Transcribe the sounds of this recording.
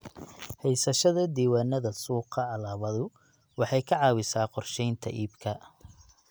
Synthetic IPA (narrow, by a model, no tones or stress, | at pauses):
hɛjsɐʃɐðɐd̪iːwaːnɐðɐsuːqʰɑʕɑlaːβɐðʊ | wɑħɑjkʰɐʕɑːwɪsaːqɔrʃɛjnt̪ʰɐ̰ʔiːbkʰɐ